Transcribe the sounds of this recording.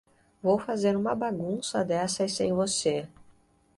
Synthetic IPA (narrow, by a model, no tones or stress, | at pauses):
vowfazeɾũmɐbaɡũsɐd̪ɛsɐsẽj̃vose